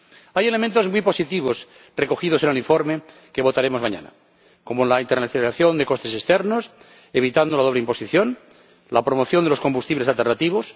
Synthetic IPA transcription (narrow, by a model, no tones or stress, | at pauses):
aje̞le̞mẽnt̪ozmwipo̞sit̪iβ̞os | reko̞xið̞o̞se̞neliɱfo̞ɾme | keβ̞o̞t̪aɾemo̞zmãɲã̰na̰ | ko̞molaint̪ernaiθliθaθjo̞nd̪eko̞st̪e̞sest̪eɾnos | eβ̞it̪and̪olað̞oβleimpo̞siθjon | lapɾomoθjond̪eloko̞mbust̪iβlesalt̪e̞rnat̪iβ̞os